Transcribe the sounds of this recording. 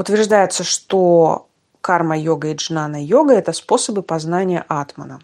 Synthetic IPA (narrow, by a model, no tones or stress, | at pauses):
ʊt̪vʲɪrʐd̪ajɪt̪səʂt̪o | karməjoɡəiʐnanəjoɡəɛt̪əspo̞səbɨpɐznanʲɪjə̰ʔat̪mə̰nə̰